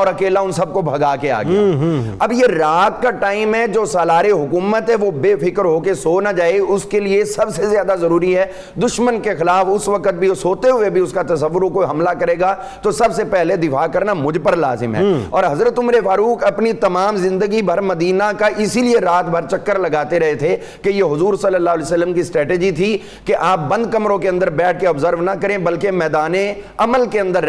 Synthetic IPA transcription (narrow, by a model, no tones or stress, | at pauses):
ɔːɾɐkeːlaʊnsɐb̚kobʱɐɡaːkea̰ːɡɪja̰ɐbjeɾaːt̪̚kaʈaːɪmɦɛd͡ʒoːsaːlaːɾeɦʊkuːmət̪ɦɛʋobeːfʰɪkəɾɦoːkesoːnad͡ʒaːeʊskeliesɐbsezjaːd̪azɐɾuːɾiɦɛ | d̪ʊʃmənkexɪlaːfʊsʋɐkət̪̚bʱiosoːt̪eɦʊebʱiʊskat̪ɐsəʋːʊɾokoiɦɐmlakɐɾeːɡa | t̪osɐbsepɛɦled̪ɪfaːkɐɾnamʊd͡ʒʱpəɾlaːzɪmɦɛ̰ːɔːɾɦɐzɾət̪ʊmɾefaːɾuːkʰɐpnit̪ɐmaːmzɪ̃nd̪əɡibʱɐɾmɐd̪iːnakaʔɪsilieɾaːt̪bʱɐɾt͡ʃɐkːəɾlɐɡaːt̪eɾɐɦet̪ʰe | kejeɦʊzuːɾsɐlːəlːaːɦlɛːsələmkisʈɾɛːʈeːd͡ʒit̪ʰi | keʔaːp̚bɐ̃nd̪̚kɐmɾõkeɐ̃nd̪əɾbɛːʈ̚ʰkeɐbzəɾʋnɐkɐɾẽbɐlkemɛːd̪aːnẽɐməlkeɐ̃nd̪əɾ